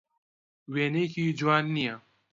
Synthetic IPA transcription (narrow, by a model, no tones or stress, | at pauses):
weːneːkid͡ʒwaːnːia